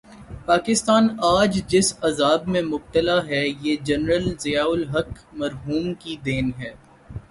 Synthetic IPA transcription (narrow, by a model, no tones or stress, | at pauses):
paːkɪst̪aːnaːd͡ʒd͡ʒɪsɐzaːbmẽmʊb̚t̪əlaɦɛjeːd͡ʒɐnɾəlzɪjaːʊlɦɐk | mɐɾɦuːmkid̪eːnɦɛː